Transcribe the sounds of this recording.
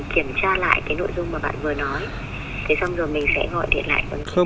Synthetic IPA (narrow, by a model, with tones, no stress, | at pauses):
ki˧˩əmt͡ɕaː˧la̰ː˧˨jkaː˨˦jno̰˧˨jzʊ˧ŋ͡mmaː˨˩ɓa̰ː˧˨nvɨ˨˩ənɔ˨˦j | t̪ʰe˨˦jsa˧wŋ͡mzo˨˩jmï˨˩ŋ̟sɛ̰˧˥ɣɔ̰˧˨jɗḭ˧˨ənla̰ː˧˨jʔə˨˦ə˧